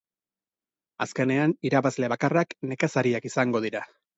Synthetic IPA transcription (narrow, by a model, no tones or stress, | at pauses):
aske̞ne̞aniɾaβazle̞βakarakne̞kasaɾiakisaŋɡo̞ð̞iɾa